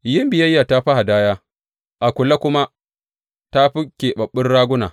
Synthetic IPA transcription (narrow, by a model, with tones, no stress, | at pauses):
jɪ˦mbɪ˨jɐ˦jːa˨ta˦ɸa˦ha˨daː˦jaː˦ | ʔa˨kʷʊ˨la˦kʷʊ˦ma˦ | ta˦ɸɪ˦kʲːeː˨ɓɐ˨ɓːɪ˦rɽaː˦ɡʷʊ˦naː˨